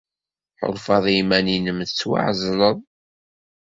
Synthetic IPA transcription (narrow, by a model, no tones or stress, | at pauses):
ħo̰ɾˤfɑðˤimæninəmθət͡sːwa̰ʕzˤləðˤ